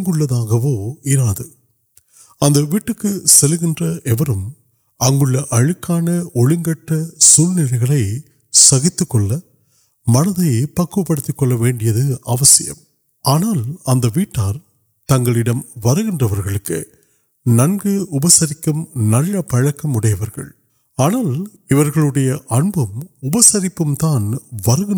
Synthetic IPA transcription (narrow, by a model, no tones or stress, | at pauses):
ŋɡɯɭːɐðaːɣɐʋoːɪɾaːðɯ | ɐnd̪ɐʋiːʈːɯkːɯsɛlɯɣɪndrɐʔɛʋɐɾɯm | ɐŋɡɯɭːɐʔɐɻɯkːaːnɐɔɻɪŋɡɐʈːɐsuːlnɪlɐɪɣɐɭɐɪ | sɐɣɪt̪ːɯkːɔɭːɐ | mɐnɐðɐɪpɐkːɯpːɐɽɯt̪ːɯkːɔɭːɐʋeːɳɖɪjɐðɯɐʋɐsɪjɐ̰m | ʔaːnaːlɐnd̪ɐʋiːʈːaːɾ | t̪ɐŋɡɐɭɪɽɐmʋɐɾɯɣɪndrɐʋɐɾɣɐɭɯkːɯ̰ | nɐnɡɯʊbɐsɐɾɪkːɯmnɐɻːɐpɐɻɐkːɐmʊɽɐjɐʋɐɾɣɐ̰ɭ | aːnaːl | ɪʋɐɾɣɐɭɯɽɐjɐʔɐnbɯmʊbɐsɐɾɪpːɯmt̪aːnʋɐɾɯɣɪn